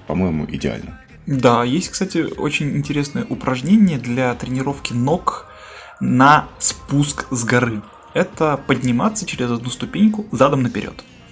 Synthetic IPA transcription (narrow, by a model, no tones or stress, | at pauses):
pɐmo̞jɪmʊ̰ʔɪ̰dʲɪa̰lʲnə | d̪ajesʲtʲkst̪atʲɪo̰t͡ɕɪnʲɪnʲtʲɪɾʲe̞snəjəʔʊpɾʔɐʐnʲenʲɪjəd̪lʲat̪ɾʲɪnʲɪɾo̞fkʲɪno̞k | nɐspuskzɡɐɾɨ | ɛt̪əpədʲnʲɪmat̪sːət͡ɕɪɾʲɪzɐd̪nust̪ʊpʲenʲkʊzad̪əmnəpʲɪɾʲʔo̞̰t̪